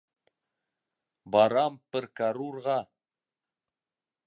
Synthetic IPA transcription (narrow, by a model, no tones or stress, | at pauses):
bɑɾɑmpɘɾkaɾuɾʁɑ